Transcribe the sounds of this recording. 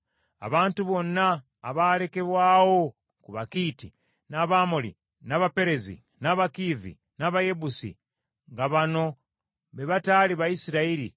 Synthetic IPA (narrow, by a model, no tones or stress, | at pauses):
a̰βaːntuβo̞nːaː | βale̞ke̞βwaːwo̞ | kuβakiːti | naβamolḭ | naβape̞ɾe̞zḭ | naβakiðḭ | naβaje̞busḭ | ŋɡaβano̞ | βeβataːliβajisiɾaiɾḭ